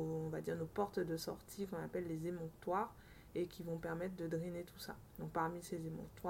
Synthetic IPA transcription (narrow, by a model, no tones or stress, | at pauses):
oɔ̃vad̪iʁnopɔʁt̪d̪əsɔ̰ʁt̪ʰikɔ̃napɛlːezemɔ̃kt̪waʁ | ekʲivɔ̃pɛʁmɛt̪χd̪əd̪ʁinet̪ʰu̥sa̰ | d̪ɔ̃k̚paʁmisezemɑ̰̃k̚t̪wa